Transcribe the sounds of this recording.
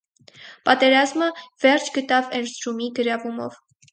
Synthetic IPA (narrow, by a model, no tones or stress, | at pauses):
pɑt̪ɛɾɑzməvɛrt͡ʃʰɡət̪ɑvɛɾzɾumiɡəɾɑvumɔ̰v